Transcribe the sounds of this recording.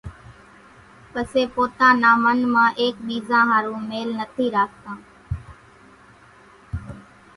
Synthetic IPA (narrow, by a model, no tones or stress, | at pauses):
pəseːpoːt̪ãːnaːmənmãːʔeːkɓiːzãːɦãːɾũːmeːlnət̪ʰiːɾaːk̚t̪ãː